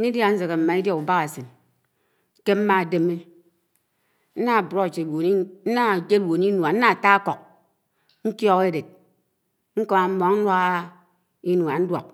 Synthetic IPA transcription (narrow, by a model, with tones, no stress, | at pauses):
i˦da˦n̩˦ze˨ɣe˨m̩˨ma˨i˦dja˦u˨ba˦ɣa˨si˨n˦ | ke˦m̩˦ma˦˨de˦me˦ | n̩˦na˦˨bɾo˦˨t͡ʃe˨wo˨ni˦n̩˦na˦˨d͡ʒe˦wo˨ni˦nwa˨n̩˦na˦a˨ta˦a˦kɔ˨k̚ | n̩˦tjɔ˦ɣe˦de˨t̚ | ŋ̩˦ko˦ma˨m̩˦mɔ˨ŋn̩˦nwa˦ɣa˦ | i˦nu˨a˨n̩˦dwɔ̰˨k̚